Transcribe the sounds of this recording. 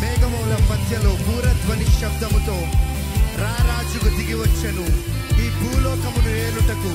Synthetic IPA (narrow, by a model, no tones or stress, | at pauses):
mɛːɡɐmɐwlɐpɐd̪ʱjɐlo̞ːbuːɾɐd̪ʋɐniʃjɐb̚d̪ʱɐmut̪o̞ː | ɾaːɾaːd͡ʒukud̪iɡiʋɐt͡ʃːɐnu | miːbʱuːlɔːkɐmunueːɾuʈɐku